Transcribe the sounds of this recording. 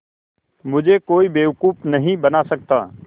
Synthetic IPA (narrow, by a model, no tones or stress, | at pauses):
mʊd͡ʒʱekoːibeːʋʊkuːpnɐɦĩbənaːsɐk̚t̪a̰ː